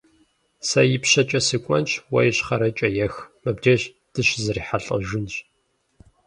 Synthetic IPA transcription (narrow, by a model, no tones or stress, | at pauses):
sɐjɪpɕɐt͡ʃʼɐsɨkʷʼɔ̰nt͡ʃʰʼwɐ̰jɪɕχɐɾɐt͡ʃʼɐjɛxmɐbd͡ʒɐʑ | d̥ɨɕzɨriːħaɬʼɐ̰ʒʷʊnɕ